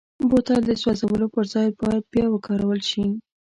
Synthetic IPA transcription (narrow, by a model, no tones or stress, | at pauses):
bot̪ɑld̪əswazawəlopəɾzɑj̪bɑjad̪̚bjɑwəkʰɑɾawəlʃi